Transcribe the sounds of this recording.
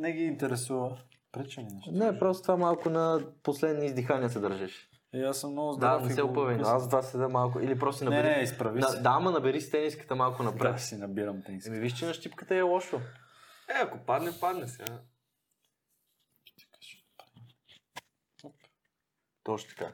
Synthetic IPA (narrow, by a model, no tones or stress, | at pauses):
nɛɡiːnt̪ɛɾɛsuvə | pɾɛt͡ʃɛmɛʃnɛpɾɔst̪o̥t̪vamalˠkʊnɐposlɛd̪nizd̪ixanijəsɛd̪ɐɾʒɛʃ | iasːəmnɔɡʊzd̪anɛsɛopəvɛnoazt̪vasɛd̪əmalˠkʊ̰ilipɾɔst̪sinɐnɛɾɛispɾɐvinɐd̪aamːɐnɐbɛɾist̪ɛniskə̥t̪əmalˠkʊnɐpɾɛsinɐbiɾɐmt̪ɛnsɛmiviʃt͡ʃinɐʃt̪ipkət̪əiɛlˠɔʃo | ɛɐkopad̪nɛpad̪nɛsɛɡa | kḁʃ | pɾɛ | t̪ɔʃt̪o̥t̪ɐ̥ka̰